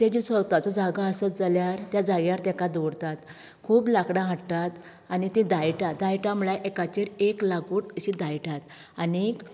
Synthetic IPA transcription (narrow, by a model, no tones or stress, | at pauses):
t̪ed͡ʑisʋəɡt̪at͡sad͡zaɡaəsət̪̚d͡zaljaɾt̪jad͡zaɡjaɾt̪ɛkad̪oɽt̪at̪ | kʰuːblakɽãɦəʈt̪at̪ | anit̪ĩd̪ajʈad̪ajʈam̤ɭajʔekat͡ɕiɾeklaɡuːʈəɕid̪ajʈat̪ | anik